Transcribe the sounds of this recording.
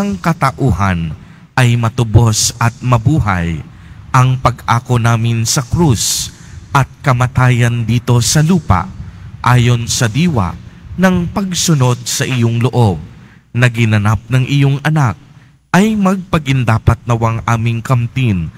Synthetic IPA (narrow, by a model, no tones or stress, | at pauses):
ɐŋkɐt̪ɐʔuːɦɐn | ʔɐjmɐt̪ʊbo̞sʔɐt̪̚mɐbuːɦɐ̰j | ʔɐŋpɐɡʔaːko̞naːmɪnsɐkɾus | ʔɐt̪̚kɐmɐt̪aːjɐnd̪iːt̪o̞sɐluːpɐ̰ʔʔaːjo̞nsɐd̪iːwɐ̰nɐŋpɐɡsʊno̞d̪̚sɐʔɪjoŋloʔo̞b̚ | nɐɡɪnɐnap̚nɐŋʔɪjoŋɐnak̚ | ʔɐjmɐɡ̚pɐɡɪnd̪aːpɐt̪̚nɐwaŋʔaːmɪŋkɐmt̪in